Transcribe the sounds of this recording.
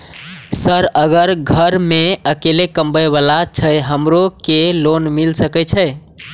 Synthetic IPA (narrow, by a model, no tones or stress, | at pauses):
səɾəɡəɾɡʱəɾmeəkelekəmbəjβalat͡ʃʰəjɦəmɾokelonmilsəkət͡ʃʰə